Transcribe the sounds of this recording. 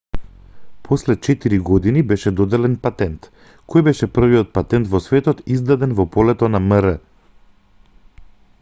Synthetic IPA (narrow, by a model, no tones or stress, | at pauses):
pʰɔslɛt͡ʃɛt̪iɾiɡɔd̪inibɛʃɛd̪ɔd̪ɛlɛnpat̪ɛnt̪ | kʰɔjbɛʃɛpr̩vijɔt̪̚pat̪ɛnt̪vɔsvɛt̪ɔt̪izd̪ad̪ɛnvɔpɔlɛt̪ɔnaməɾə